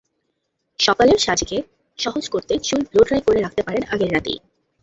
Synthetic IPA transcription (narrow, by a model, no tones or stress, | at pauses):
ʃɔkaleɾʃad͡ʑke | ʃɔɦod͡ʑkoɾt̪et͡ɕulbloʈɾajkoɾeɾak̚ʰt̪epaɾenaɡeɾːat̪ḭ